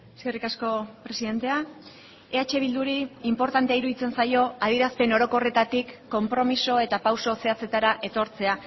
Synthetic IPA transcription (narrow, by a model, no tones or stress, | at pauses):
eske̞rikasko̞pɾe̞siðe̞nt̪e̞a | eat͡ʃe̞β̞ild̪uɾiːmpo̞ɾt̪ant̪eaiɾuðit͡se̞nsajo̞að̞iɾaspe̞no̞ɾo̞ko̞re̞t̪at̪ikːo̞mpɾo̞miso̞e̞t̪apawso̞se̞at͡se̞t̪aɾaʔe̞t̪o̞ɾt͡se̞a